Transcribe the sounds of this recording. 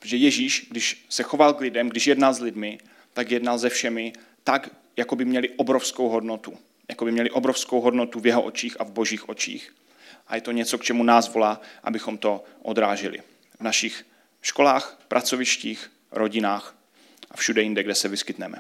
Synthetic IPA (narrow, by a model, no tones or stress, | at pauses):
ʒɛjɛʒiːʃɡdɪʃsɛxo̞valklɪdɛmɡdɪʃjɛdnalzlɪdmɪ | t̪akjɛdnalzɛfʃɛmɪ | t̪ak | jakobɪmɲɛlɪʔobɾo̞fsko̞wɦo̞dnot̪u | jakobɪmɲɛlɪʔobɾo̞fskowɦo̞dnot̪uvjɛɦoʔot͡ʃiːxavbo̞ʒiːxʔo̞t͡ʃḭːx | ʔajɛt̪o̞ɲɛt͡so̞kt͡ʃɛmunaːzvo̞laːʔa̰bɪxo̞mt̪o̞ʔod̪ɾaːʒɛlɪ̰ | vnaʃɪx | ʃko̞laːxpɾʔat͡so̞vɪʃciːx | ɾʔo̞ɟɪnaːx | ʔafʃudɛjɪndɛɡdɛsɛvɪskɪt̪nɛmɛ̰